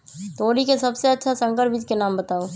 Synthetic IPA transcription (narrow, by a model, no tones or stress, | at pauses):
t̪oːɾikesɐbseɐtːʃʰasə̃ŋɡəɾbid͡ʒkenaːmbət̪aːoː